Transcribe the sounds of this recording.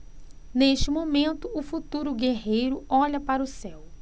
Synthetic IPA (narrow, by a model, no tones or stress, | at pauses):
neʃt͡ʃɪmomẽnt̪ʊʊfut̪uɾʊɡeɦejɾʊɔʎɐpaɾʊsɛw